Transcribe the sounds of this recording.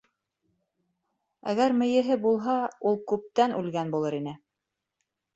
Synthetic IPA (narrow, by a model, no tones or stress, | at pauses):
æ̰ɡæɾmɘ̆jɘ̆ɦɘbulˠɦɑulˠkʉp̚t̪ænʔʉlɡænbulˠɤɾinɘ